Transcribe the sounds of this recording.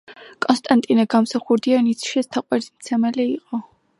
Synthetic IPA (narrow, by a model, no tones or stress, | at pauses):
kʼɔnst̪ʼant̪ʼinaɡamsaχuɾd̪ianit̪sʰʃiɛst̪ʰaqʼwɛɾizmt̪sʰɛmɛliiqʼɔ